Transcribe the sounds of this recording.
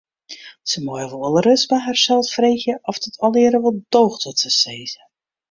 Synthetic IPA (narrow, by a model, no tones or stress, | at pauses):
səmɔjəʋɔlˠɔlˠrøsbaɦɛrsɛlˠsfrexjəʔɔfdɔtʰɔlɪəɾəʋɔlˠd̥oːxtɔtəseːzə